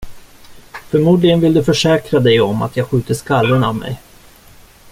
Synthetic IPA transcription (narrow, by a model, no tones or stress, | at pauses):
fœɾmuːd̪lɪɡənvɪld̪ɵfœʂɛːkɾad̪ɛjɔma̰t̪ʰjɑːɡɧʉ̟ːt̪əʂkalːənavmɛ̰j